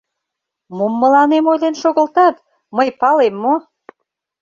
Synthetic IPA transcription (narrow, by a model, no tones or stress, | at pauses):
mumːə̆lɑnemojlenʃoɣə̆lt̪ɑt̪ | məjpɑlemːo